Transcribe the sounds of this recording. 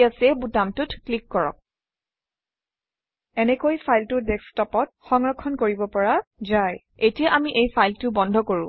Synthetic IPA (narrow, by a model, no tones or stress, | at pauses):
asɛbutamtʊtklikːɔɹɔ̰k̚ | ɛnɛkojpʰajltʊdɛkstɔpɔt̚xɔŋɹɔkʰːɔnkoɹibɔpɔɹazaj | etijaʔamiʔejpʰajltʊbɔndʱɔkoɹṵ̃